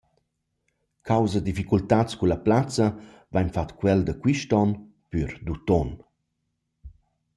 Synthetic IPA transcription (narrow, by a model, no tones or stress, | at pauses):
kʰawzəd̪ifikult̪at͡skulɐplat͡sɐ | vajɲfat̪kwɛld̪əkwiʃtɔn | pyɾd̪ut̪ɔn